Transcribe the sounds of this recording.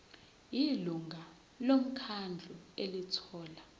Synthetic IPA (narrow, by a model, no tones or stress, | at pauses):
jiluŋɡʱa | lom̩kʰand͡ɮʱuelitʰɔːla